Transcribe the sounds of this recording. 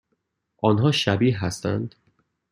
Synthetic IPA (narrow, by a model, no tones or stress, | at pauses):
ʔɒːnɦɒːʃæbiːɦæst̪æ̰nd̪̥